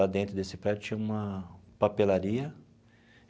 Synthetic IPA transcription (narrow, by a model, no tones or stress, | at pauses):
ad̪ẽnt̪ɾʊd̪esɪpɾɛd͡ʒʊt͡ʃĩũmɐpapelaɾiɐ